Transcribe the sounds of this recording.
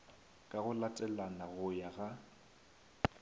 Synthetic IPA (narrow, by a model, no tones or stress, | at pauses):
kʼaɣʊlatʼɛlanaɣʊjaɣa